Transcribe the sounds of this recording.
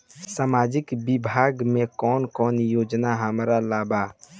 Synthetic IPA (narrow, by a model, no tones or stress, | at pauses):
samaːd͡ʒɪkbɪbʱaːɡmẽkɔːnkɔːnjoːd͡ʒnaɦəmɾalaːba